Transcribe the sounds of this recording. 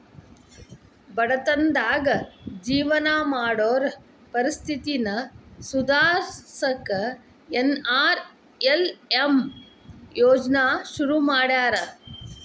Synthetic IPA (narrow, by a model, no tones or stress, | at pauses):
bɐɽɐt̪ɐnd̪aːɡɐd͡ʒiːʋɐnaːmaːɽoːɾɐ | pɐɾist̪ʰit̪inɐsud̪ʱaːsɐkɐ | enaːɾ | elem | joːd͡ʒnaːʃuɾumaːɽaːɾɐ